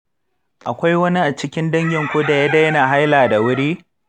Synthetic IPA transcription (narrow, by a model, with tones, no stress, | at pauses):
ʔa˨kʷa˦jwɐ˦ni˦ʔa˨t͡ʃɪ˦kʲɪ˦ndɐ˦ŋɡʲɪ˨ŋkʷoː˦da˨ja˦dɐ˦jɐ˦naː˨ɦa˦jlaː˨da˨wʊ˦ɽiː˦